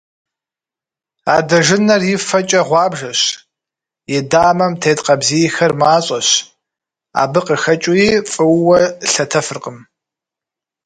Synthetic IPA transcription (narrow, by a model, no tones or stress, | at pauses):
aːdɐʒɪnɐrjɪfɐt͡ʃʼɐʁʷɑːbʒɐɕ | jɛdaːmɐmtʰeːtqɐbziːjxɐrmaːɕʼɐɕ | a̰ːbɨqəxɐt͡ʃʼʊjiːfʼɨwwɐɬɐtʰɐfɨrqəm